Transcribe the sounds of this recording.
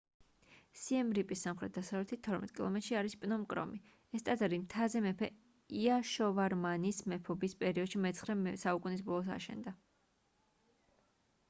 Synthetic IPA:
siɛmɾipʼisːamχɾɛt̪̚d̪̥asavlɛt̪ʰit̪t̪ʰɔɾmɛ̰t̪ʼkʼilˠɔ̰mɛt̪ʃiaɾispʼnɔmkʼɾɔ̰mi | ɛst̪ʼad̪ɛɾimt̪ʰazɛmɛpʰɛ | iaʃɔvaɾmanismɛpʰɔbispʼɛɾiɔd̪̥ʃimɛt̪sʰχɾɛsaukʼunis̬bɔlˠɔs̬a̰ʃɛ̰nd̪a

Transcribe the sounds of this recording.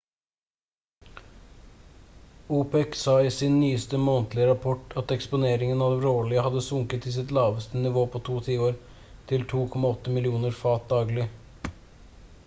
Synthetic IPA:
uːpɛksɑːiːsɪnːyːəst̪əmoːnt̪lɪəɾɑpʰɔʈɑt̪ɛkspʊneːɾɪŋənɑd̪ɛɾoːɭɪəhɑd̪əsʊŋkət̪iːs̬ɪt̪lɑːʋəst̪ənɪʋoːpʰoːt̪ʰuːt̪ʰiːoːɾ | t̪ʰɪlt̪ʰuːkʰɔmɑɔt̪ːəmɪlɪuːnəɾfɑːt̪̚d̪ɑːɡlɪ

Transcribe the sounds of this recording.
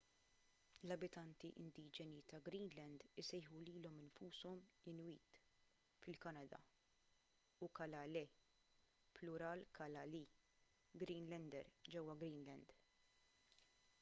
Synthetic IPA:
lɐbɪt̪ɐnt̪iʔɪ̰nd̪iːd͡ʒɛnit̪ɐɡɾiːnlɛnd̪ɪsɛjħuliːlɔmɪnfuːsɔmɪnwiːt̪ | fɪlkɐnɐd̪ɐ̰ | ukɐlɐlɛ | plʊɾɐːlkʰɐlɐli | ɡɾiːnlɛnd̪ɛ̰ɾd͡ʒɛwːɐɡɾiːnlɛnd̪

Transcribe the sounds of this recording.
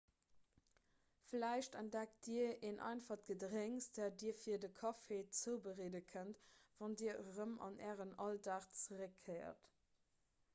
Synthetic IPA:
flæɪʃtæntdæktd̥iəeːnʔɑ̰ɪnfɑχɡ̥ədʁeŋsd̥æːdiːɐfiːɐdəkʰɑfeːt͡səʊbəʁeːdəkʰəntv̥ɑndiːəʁəmɑ̰næːʁənɑltaχt͡səʁəkʰːɜɪɐ̰t

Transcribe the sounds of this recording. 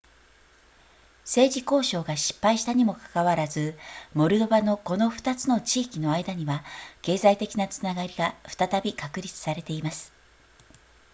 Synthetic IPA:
se̞ːʑiko̞ːɕo̞ːɡaɕi̥pːaiɕi̥t̪aɲ̟imo̞kḁkaβaɾazɨmo̞ɾɯ̟d̪o̞bano̞ko̞no̞ɸɯ̟̥t̪at͡sɨno̞t͡ɕiːkʲino̞aid̪aɲ̟iβake̞ːzait̪e̞kʲinat͡sɨnaɡaɾʲiɡaɸɯ̟̥t̪at̪abʲikakɯ̟ɾʲit͡sɨ̥saɾe̞t̪e̞imasɨ̥

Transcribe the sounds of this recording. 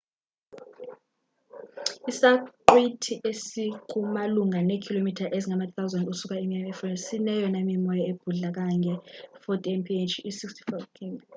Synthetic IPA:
isaǃwitʰiʔesiǃʰumaluŋanekʰilomitʰaʔeziŋamatʰθawzandusuk̬ʼaimiɛmɛfɔɛsinɛjɔnamimɔjɔeb̥ʱuɮak̬aŋʱɛfɔtʼɛmpʰient͡ʃʰisikstʰi̥fajvkʰim

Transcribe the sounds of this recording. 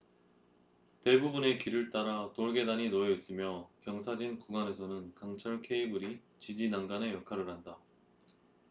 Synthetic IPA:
te̞bubune̞kiɾɯɭt͈aɾatoɭɡe̞daɲinoʌis͈ɯmjʌkjʌŋsʰad͡ʑinkuɡane̞sʰʌnɯnkaŋt͡ɕʰʌɭkʰe̞ibɯɾi | t͡ɕid͡ʑinaŋɡane̞jʌkʰaɾɯɭɦanda

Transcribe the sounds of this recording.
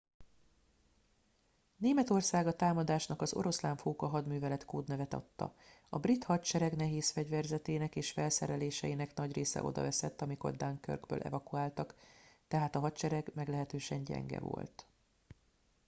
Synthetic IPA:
neːmɛt̪o̞rsaːɡɒt̪aːmɒd̪aːʃnɒkɒzo̞̰ɾo̞slaːɱfoːkɒɦɒd̪myːvɛlɛt̪koːd̪nɛvɛt̪ɒ̰t̪ːɒ̰ | ɒbrit̪hɒtt͡ʃɛɾɛɡnɛɦeːsfɛɟvɛrzɛt̪eːnɛkeːʃfɛlsɛɾɛleːʃɛjinɛknɒɟreːsɛ̰ʔo̞̰d̪ɒ̰vɛsɛt̪ːɒmiko̞̰rd̪aŋkø̰rɡbø̰ːlʔɛ̰vɒkuaːlt̪ɒkt̪ɛɦaːt̪ɒɦɒtt͡ʃɛɾɛɡmɛɡlɛɦɛt̪øːʃɛɲɟɛ̰ŋɡɛ̰vo̞̰lt̪

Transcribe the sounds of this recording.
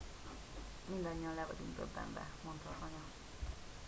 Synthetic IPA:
mind̪ɒɲːiɒnlɛvɒd̪uŋk̪ø̰bːɛ̰ɱbɛ̰mo̞nt̪hɒkɒɲɒ

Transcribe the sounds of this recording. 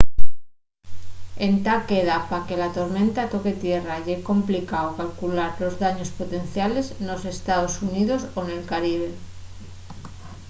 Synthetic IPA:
e̞nt̪ake̞ðapake̞lat̪o̞ɾmẽ̞nt̪at̪o̞ke̞t̪je̞raʝeko̞mplikaokalkulaɾlo̞zðaɲo̞spo̞t̪e̞n̟θjale̞sno̞se̞st̪aðo̞suniðo̞so̞ne̞lkaɾiβ̞e̞

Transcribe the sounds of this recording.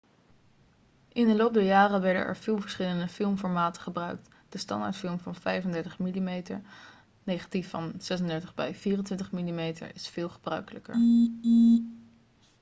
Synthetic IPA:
ʔɪndəlowp̚dəɹjaːrəʋɛɹdə̰nʔɛ̰ɹv̥ɪːlˠvəɹsχɪləndəfɪlˠmfɔɹmaːtə̥χəbrœɥkt | d̥əstɑ̰nda̰ɹtfɪlˠmvɑnvɛjvəndɛɹtəχmilimejtə̰ɹ | nejχḁtifːɑnz̥ɛsəndɛɹtəχbɛ̰jv̥iːrəntʋɪntəχmilimejtə̰ɹɪsfɪːlˠχəbrœ̰ɥkələkə̰ɹ

